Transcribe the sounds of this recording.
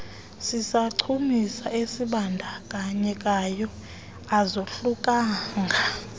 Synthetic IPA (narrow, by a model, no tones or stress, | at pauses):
sisaǀʰumisaesiɓandʱakʼaɲɛkʼajɔ | azoɬukʼaːŋɡʱa